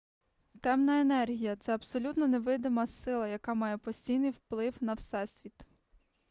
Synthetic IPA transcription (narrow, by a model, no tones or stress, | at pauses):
t̪ɛmnɐenɛrɦʲijɐt̪sɛɐbsɔlʲut̪nɔneʋɪd̪ɪmɐsɪlˠɐjɐkamɑjɛpɔsʲtʲijnɪjwplˠɪwnɐwsɛsʲʋʲit̪